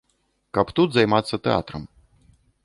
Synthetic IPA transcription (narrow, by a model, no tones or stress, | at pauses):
kɐpt̪ut̪zajmat̪sːɐt̪ɛa̰t̪ɾɐm